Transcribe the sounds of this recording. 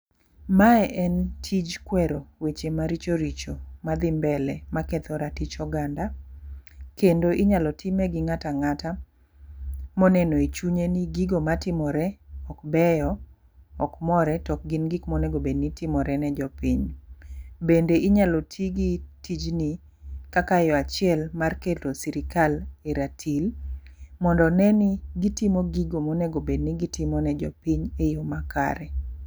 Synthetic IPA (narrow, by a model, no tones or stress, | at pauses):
maɛʔɛntʰid͡ʒkwɛɾowet͡ʃemaɾit͡ʃoɾit͡ʃomad̪ɪmbɛlɛmakɛt̪ɔɾatit͡ʃɔɡanda | kendoʔɪɲalɔtʰimɛɡɪŋataŋata | mɔnɛnoet͡ʃuɲeniɡiɡomatɪmɔɾɛɔkbɛjɔ | ɔkmɔɾɛtɔk̚ɡɪnɡikmoneɡobednitɪmɔɾɛnɛd͡ʒɔpiɲ | bendeʔiɲalotʰiɡitid͡ʒni | kakajɔat͡ʃɪɛlmarketosiɾɪkaleɾatʰil | mɔndɔnɛnɪɡitimoɡiɡomoneɡobedniɡitɪmɔnɛd͡ʒɔ̰piɲejomakʰa̰ɾɛ